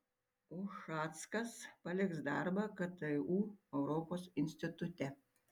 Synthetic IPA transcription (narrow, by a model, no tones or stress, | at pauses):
oːʃɑːt̪skɐspɐlʲɪksd̪ɑɾbɐkɐt̪ɐuːɛʊɾɔpoːsɪnʲsʲt̪ʲɪt̪ʊt̪ʲɛ